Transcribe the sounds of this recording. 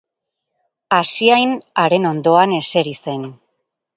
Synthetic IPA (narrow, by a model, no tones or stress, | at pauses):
asiajnaɾe̞no̞nd̪o̞ane̞se̞ɾise̞n